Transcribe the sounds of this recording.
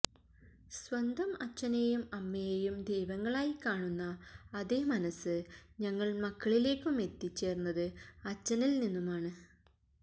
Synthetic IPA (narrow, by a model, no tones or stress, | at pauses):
sʋɐnd̪ʱɐmɐt͡ɕːɐnejumɐmːɐjejumd̪ejʋɐŋːɐɭaːjikaːɳunːɐɐðeːmɐnɐsɨɲɐŋːɐɭmɐkːɐɭile̞ːkʲːume̞t̪ːit͡ɕːe̞ːrnːɐðɨɐt͡ɕːɐnilninːumaːɳɨ